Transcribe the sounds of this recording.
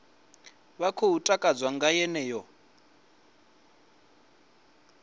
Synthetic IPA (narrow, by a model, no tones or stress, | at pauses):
βakʰoutʼakʼad͡zwaŋɡajɛnɛjɔ